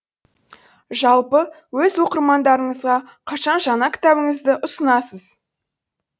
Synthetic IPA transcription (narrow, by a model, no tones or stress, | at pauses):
ʒɑlˠpə | wɵzwo̞qəɾmɑnd̪ɑɾəɴəzʁɑ | qʰɑʃɑnʒɑnɑkʲʰɪ̥t̪æbɪŋɪzd̪ɪʔʊsənɑsəz